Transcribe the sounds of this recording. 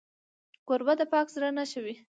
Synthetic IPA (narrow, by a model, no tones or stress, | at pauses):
koɾbad̪əpɑkzɾanaʃəwi